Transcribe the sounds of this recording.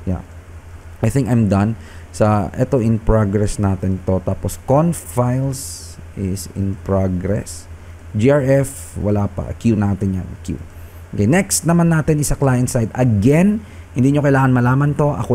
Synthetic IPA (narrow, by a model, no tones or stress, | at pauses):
ja̰ | ʔajθɪ̃ŋkɐjmd̪ɐ̃n | sɐʔɛt̪o̞ʔɪnpɹoɡɹɛsnaːt̪ɛnt̪o̞t̪aːposkonfajls | ʔɪsɪ̰npɹoɡɹɛ̰s | d͡ʒiʔaɹɛf | wɐlaːpɐ̰ʔkjunaːt̪ɪnjankjṵ | okenɛkst̪nɐmanːaːt̪ɛnɪsaklaːjɐnsajd̪ɐɡɛn | hɪnd̪iːɲokɐjlaːŋɐnmɐlaːmɐnt̪o̞ʔɐ̰ko